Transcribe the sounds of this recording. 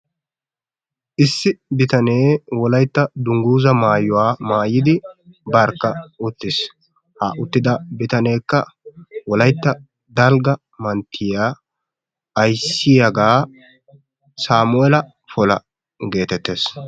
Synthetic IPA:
ʔɪsːɪbɪt̪ɐne̞ːwɔlɐjt̪ːɐd̪ʊŋɡuːzɐmaːjʊwaːmaːjɪd̪ɪbɐɾkːɐʊt̪ːɪs | ha̰ʔʊt̪ːɪd̪ɐbɪt̪ɐne̞ːkːɐwɔlɐjt̪ːɐ | d̪ɐlɡɐ | mɐnt̪ʰːɪjaː | jsɪjɐɡaː | saːmʊɛlɐ | fɔlɐ̰ | ɡe̞ːt̪ɛt̪ːe̞ːs

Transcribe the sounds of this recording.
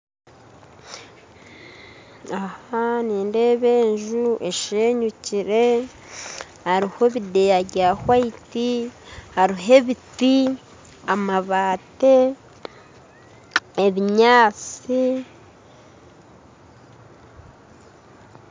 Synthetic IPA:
ahaniːnde̞βe̞ːɲʒuʔe̞ʃeːɲuciɾe | haɾiho̞βidejaɟahwaitihaɾiɦe̞βiti | amaβaːte̞ | eβiɲaːt͡si

